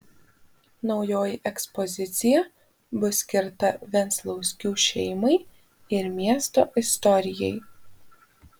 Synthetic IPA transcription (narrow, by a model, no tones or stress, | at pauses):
nɒʊjoːjɪʔɛkspɔzʲɪt̪sʲɪjɛ | bʊsʲkʲɪɾt̪ɐʋʲɛnt̪slˠɐʊsʲkʲuːʃʲɛɪmɐɪ | ɪɾmʲiɛst̪oːʔɪst̪ɔɾʲɪjɛɪ